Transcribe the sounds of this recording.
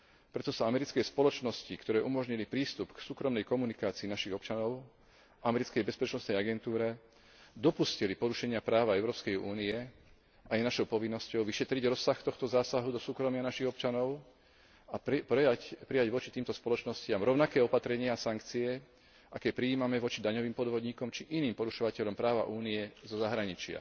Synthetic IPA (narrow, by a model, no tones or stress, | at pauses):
pɾɛt̪ɔsaamɛɾit͡skɛspɔlɔt͡ʃnɔscikt̪ɔɾɛːʔumɔʒɲilipɾiːst̪upksuːkɾɔmnɛjkɔmunikaːt͡siːnaʃiɣɔpt͡ʃanɔʊ | ʔamɛɾit͡skɛjbɛspɛt͡ʃnɔst̪nɛjaɡɛnt̪uːɾɛ | d̪ɔpuscilipɔɾuʃɛɲɪapɾaːʋaɛʊɾɔːpskɛjuːniɛ | ajnaʃɔʊpɔʋinːɔscɔʊʋiʃɛt̪ɾiɟɾɔsːaxt̪ɔxt̪ɔzaːsaɦud̪ɔsuːkɾɔmɪanaʃiɣɔpt͡ʃanɔʊ | apapɾijaɟʋɔt͡ʃit̪iːmt̪ɔspɔlɔt͡ʃnɔscɪamɾɔʊnakɛːɔpat̪ɾɛɲɪaasaŋkt͡siɛ | ʔakɛpɾiiːmamɛʋɔt͡ʃid̪aɲɔʋiːmpɔd̪ʋɔd̪ɲiːkɔmt͡ʃiʔiniːmpɔɾuʃɔʋacɛʎɔmpɾaːʋa̰ʔuːniɛzɔzaɦɾaɲit͡ʃɪa̰